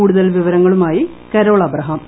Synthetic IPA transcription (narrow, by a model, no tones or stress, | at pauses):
uːɽuðɐlʋiʋɐɾɐŋːɐɭumaːji | kɐɾo̞ːɭɐbrɐɦɐm